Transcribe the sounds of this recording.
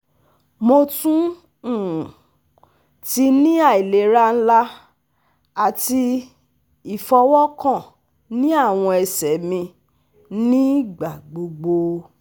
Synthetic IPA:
mo˧tũ˦ | ũ˦˨ | ti˧nĩ˦a˦˨i˨le˨˦ɾa˦n̩˦la˦ | a˦˨ti˧ | i˨fɔ˧wɔ˦kã˦˨ | nĩ˦a˦˨w̃ɔ̃˧ɛ˧sɛ˨˦mĩ˧ | nĩ˦ɡ͡ba˨ɡ͡bo˨ɡ͡bo˧

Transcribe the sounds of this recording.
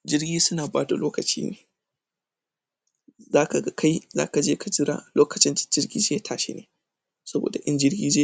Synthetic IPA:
d͡ʒɪ˦rɡʲiː˦sʊ˦naː˨baː˦da̰˨loː˦kɐ˨t͡ʃḭː˦nḛː˨ | zaː˦ka˨ɡa˦kʰa˦jza̰ː˦ka˨d͡ʒeː˦kʰa˨d͡ʒɪ˦ɾa̰ː˦loː˦kɐ˨t͡ʃɪ˦nd͡ʒɪ˦rɡʲiː˦d͡ʒeː˦ja˦˨tʰaː˨ʃḛ˦neː˨ | sɐ˦bo̰ː˨da˨ʔɪ˦nd͡ʒɪ˦rɡʲiː˦d͡ʒe˦

